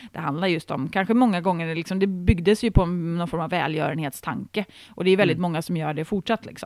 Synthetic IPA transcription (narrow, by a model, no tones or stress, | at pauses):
d̪̥ɛɦand̪laɾjɵst̪ɔmkʰanɧəmɔŋːaɡɔŋːəɾɛlɪksɔmd̪ɛbʏɡd̪əsjɵpʰɔɛnnɔnfɔɾmavːɛ̰ːljœ̰ːɾənheːt̪st̪ʰa̰ŋkə | ʔɔd̪ɛɾjɵvɛld̪ɪt̪mɔŋːasɔmjœːɖɛfʊʈʂat̪ːlɪ̰ksɔ̰m